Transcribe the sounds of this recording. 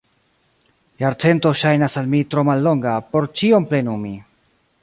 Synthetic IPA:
jaɾt͡se̞nto̞ʃajnasalmitɾo̞malːo̞ŋɡapo̞ɾt͡ʃio̞mple̞numi

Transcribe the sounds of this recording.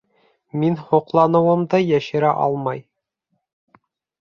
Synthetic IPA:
minhuqlˠɑnɤ̆wɤ̆md̪ɤjæɕɘ̆ɾæʔɒ̰lˠmɑj

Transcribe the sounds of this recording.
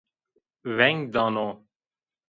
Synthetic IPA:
vɛŋɡd̪ɑno

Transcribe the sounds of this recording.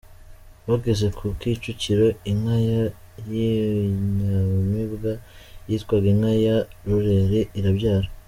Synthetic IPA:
βaɡeze̞kʰukit͡ʃuciɾo̞imhaja | jiɲamibɡajitkwaɡinhajaɾuɾeɾiʔiɾabɟaːɾa

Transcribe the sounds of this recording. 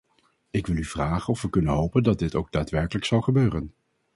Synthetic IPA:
ɪkʋɪlˠyvraːχənɔfʋəkɵnənɦowpəndɑd̚dɪtowɡ̚daːtʋɛɹkələksɑlˠχəbøːrən

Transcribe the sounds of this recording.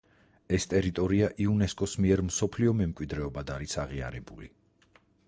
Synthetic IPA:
ɛst̪ʼɛɾit̪ʼɔɾiaʔiunɛskʼɔsmiɛɾmsɔpʰliɔmɛmkʼwid̪ɾɛɔbad̪aɾisaʁia̰ɾɛbuli

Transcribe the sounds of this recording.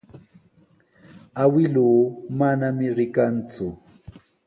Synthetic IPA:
awɪluːmanamɪɾɪkant͡sʊ

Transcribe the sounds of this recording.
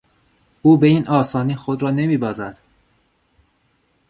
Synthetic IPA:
ʔuːbe̞iːnʔɒːsɒːniːxod̪ɾɒːne̞miːbɒːzæd̪̥

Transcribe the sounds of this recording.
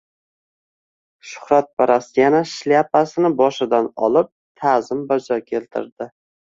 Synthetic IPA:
ʃʊ̥hɾat̪̚paɾasɪjanaʃljapasɪnɪbɒʃɪd̪anɒ̰lˠɪp̚t̪ʰazɪmbad͡ʒɒkʲʰe̞lt̪ʰɪ̰ɾd̪ɪ

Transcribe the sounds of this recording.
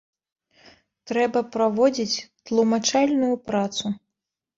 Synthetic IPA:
t̪ɾɛbɐpɾavɔd͡zʲit͡sʲt̪lˠumat͡ʂalʲnujupɾat̪su

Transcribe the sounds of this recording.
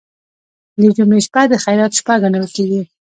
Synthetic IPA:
ləd͡ʒumeʃpad̪əxajɾɑt̪ʃpaɡaɳəlkeɡi

